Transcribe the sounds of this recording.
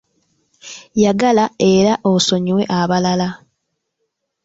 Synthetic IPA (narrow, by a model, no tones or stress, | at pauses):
jaɡalae̞ɾaʔoso̞ɲiwe̞ʔaβalala